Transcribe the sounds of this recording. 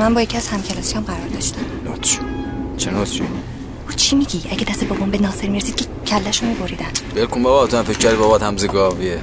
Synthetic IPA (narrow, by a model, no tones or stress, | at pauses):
mænbɒːjecʰʲiæz̥hæmcʰelɒːsijɒmɢæɾɒɾd̪ɒʃt̪æmnot̪t͡ʃi̥t͡ʃʰenot̪t͡ʃi | ut͡ʃʰimiɡʲiʔæɟed̪æst̪eboɡombenɒːseɾmiɾesiːd̪kcʰecʰælːæʃomiboɾid̪ænbelkumbɒbaːt̪ʰuæmfecʰːæɾibɒbɒt̪hæmziɡɒvie